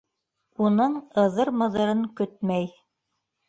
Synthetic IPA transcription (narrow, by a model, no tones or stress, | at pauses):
unɤɴɤ̆ðɤɾmɤ̆ðɤ̆ɾɤŋkɵt̪̚mæj